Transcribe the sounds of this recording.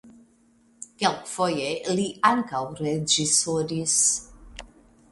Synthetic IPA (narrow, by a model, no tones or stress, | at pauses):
kɛlkfɔjeliaŋkawɾed͡ʒisoɾis